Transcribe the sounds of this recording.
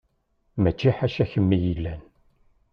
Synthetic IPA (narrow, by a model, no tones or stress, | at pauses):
mæt͡ʃːiħaʃæçəmːijilːæn